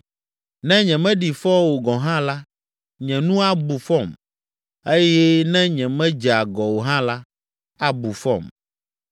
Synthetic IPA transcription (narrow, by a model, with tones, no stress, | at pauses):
nɛ̃˦ɲɛ̃˨mɛ̃˦ɖi˨fɔ˦wo˨ɡɔ˨ɦã˦la˦ | ɲɛ̃˨nũ˦a˦bu˨fɔ˦˨m | e˦jɛ˦nɛ̃˦ɲɛ̃˨mɛ̃˦d͡ʒɛ˨a˨ɡɔ˨wo˨ɦã˦la˦ | a˦bu˨fɔ̰˦˨m